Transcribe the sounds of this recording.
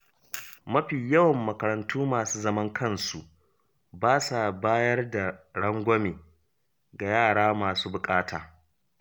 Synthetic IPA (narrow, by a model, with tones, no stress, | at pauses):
mɐ˦ɸiː˨jɐ˦wɐ˨mːɐ˨kɐ˨ɾɐ˨ntʰuː˦maː˨suː˦zɐ˦mɐ˦ŋkʰɐ˦nsu˨ʔ | baː˦sa˨baː˦jɐ˦rda˨ɽɐ˦ŋɡʷɔ˦meː˨ | ɡa˨jaː˦˨ɽaː˦maː˨suː˦bʊ˨kʼaː˦taː˨